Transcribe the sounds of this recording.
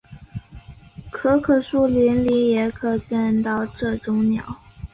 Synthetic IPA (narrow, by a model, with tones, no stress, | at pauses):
kʰɤ˥kʰɤ˨˩ʂu˥li˧˥nli˧˥jɛ˧˥kʰɤ˨˩t͡ɕɛ˥˧nt̪ɑ˥˧ʊʈ͡ʂɤ˥˩ʈ͡ʂʊ˥ŋnjɑ̰˨˩˦ʊ